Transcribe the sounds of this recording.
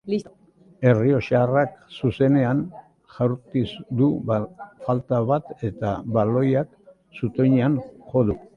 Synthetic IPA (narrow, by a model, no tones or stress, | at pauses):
li | e̞rio̞ʃaraksuse̞ne̞an | ʝawɾt̪isd̪u | falt̪aβat̪e̞t̪aβalo̞jak | sut̪o̞jɲeanxo̞ðu